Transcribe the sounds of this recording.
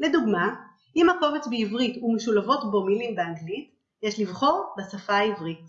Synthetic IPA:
le̞duɡma | ʔimhako̞vet͡sbeivʁitumeʃulavo̞tbo̞milimbeaŋɡlit | jeʃlivχo̞ʁbesafaːivʁit

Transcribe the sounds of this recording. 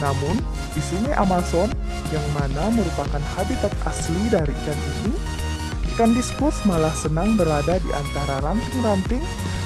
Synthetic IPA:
namʊn | disumaʔamasɔn | jaŋmanaməɾupakanhabit̪at̪̚a̰slidaɾikanʔini | kandiskʊrsmalahsənaŋbəɾadadḭʔa̰nt̪aɾaɾanp̪ɪŋɾant̪ɪŋ

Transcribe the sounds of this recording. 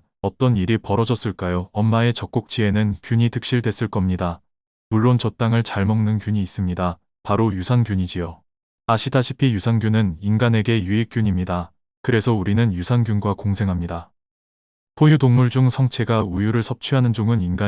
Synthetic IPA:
ʌt͈ʌniɾipʌɾʌd͡ʑʌs͈ɯɭk͈ajoʌmːae̞t͡ɕʌk̚k͈ok̚t͡ɕ͈ʰie̞nɯnkjuɲitʰɯ̥k̚ɕ͈iɭdwe̞s͈ɯɭk͈ʌmɲida | muɭːont͡ɕʌt͈aŋɯɭt͡ɕaɭmʌŋnɯnkjuɲiːs͈ɯmɲida | paɾojusʰanɡjuɲid͡ʑijo | aɕʰitʰaɕʰipʰijusʰanɡjunɯninɡane̞ɡe̞juik͈juɲimɲida | kɯɾe̞sʰʌuɾinɯnjusʰanɡjunɡwakoŋsʰe̞ŋɦamɲida | pʰojudoŋmuɭd͡ʑuŋsʰʌŋt͡ɕʰe̞ɡaujuɾɯɭsʰʌp̚t͡ɕʰɥiɦanɯnd͡ʑoŋɯninɡa

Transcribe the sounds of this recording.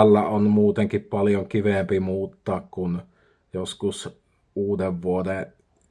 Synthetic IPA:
ælːæonmuːt̪eŋkippɑljoŋkiʋempimuːt̪ːɑːkkun | joskus | uːdeʋʋuode

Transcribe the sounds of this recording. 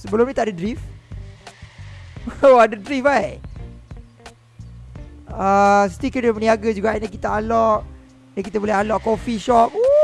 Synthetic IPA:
səbəlʊmɲĩt̪aʔadadɾif | wadadɾifaj | əs̬i̥t̪ikənəməniaɡad͡ʒuɡaʔnakit̪aalɔʔ | nakit̪əbulɛɦalɔʔkofiʃɔp̚u

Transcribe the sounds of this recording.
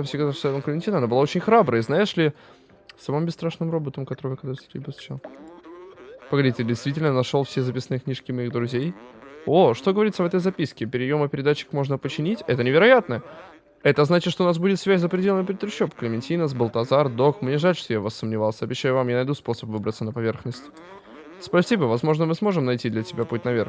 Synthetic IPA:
afsʲeɡzasʲet̪əmklʲɪmʲɪnʲtʲinəɐnabɨlˠao̞t͡ɕɪnʲxɾabɾəəznajɪʂlʲɪ | sɐmɨmbʲɪst̪ɾaʂnɨmrobət̪əmkɐt̪oɾɨjvjkɐd̪ɾsʲɪt̪ʲɪbʲɾzvʊt͡ɕalˠ | pəɡɐdʲitʲɪdʲɪjst̪vʲitʲɪlʲnənɐʂolˠfsʲezɐpʲisənɨjəknʲiʂkʲɪmɐiɣd̪ɾʊzʲejo̞ʂt̪o̞ɡəvɐɾʲit̪səvɛt̪̬əjzɐpʲiskʲɪpʲɪɾʲɪjo̞məpʲɪɾʲɪd̪at͡ɕːɪ̥kmo̞ʐnəpət͡ɕɪnʲitʲɛt̪ənʲɪvʲɪɾɐjat̪nə | ɛt̪əznat͡ɕɪt̪ʂt̪oʊnasbudʲɪt̪svʲæsʲzəpɾʲɪdʲelʲˠnmpɾʲɪt̪ɾʲʊɕːopklʲɪmʲɪnʲtʲinəsbəlˠt̪ɐzard̪o̞kmnʲeʐalʲʂt̪o̞javasːəmnʲɪvalˠsʲəɐbʲɪɕːæjʊvamjanɐjd̪uspo̞səpvɨbɾət̪sənəpɐvʲe̞rxnəsʲtʲ | spɐsʲibəvɐzmo̞ʐnəmɨsmo̞ʐɨmnɐjtʲid̪lʲɐtʲɪbʲaput̚ʲnɐvʲe̞rx

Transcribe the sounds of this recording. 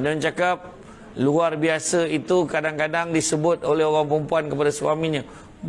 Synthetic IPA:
damnt͡ʃakap̚ | luarbiasəit̪ukadaŋkadaŋdisəbʊt̪̚olɛɦoɾaŋpəɾəmpuankəpadasuamiɲã

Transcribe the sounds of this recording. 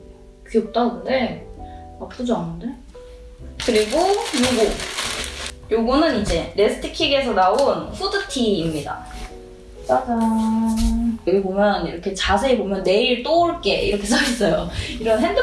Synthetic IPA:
kiok̚t͈anɯnde̞ | akɯd͡ʑoanɯnde̞ | kɯɾiɡojoɡu | joɡunɯnid͡ʑe̞ɾe̞sʰɯ̥tʰi̥kʰiɡe̞s̬ʰʌnaunɸʰudɯtʰiːmɲida̰ | k͈ad͡ʑa | ɯɡepomjʌnḭɾʌkʰe̞t͡ɕasʰe̞ːbomjʌnːe̞iɭt͈ouɭk͈e̞ḭɾʌkʰesʰaes͈ʌjoiɾʌnɦend

